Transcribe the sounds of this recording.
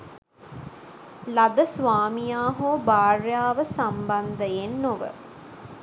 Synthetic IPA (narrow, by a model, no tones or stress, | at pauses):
lad̪əsʋaːmijaːɦobaːrjaːʋəsamband̪əjenːoʋə̰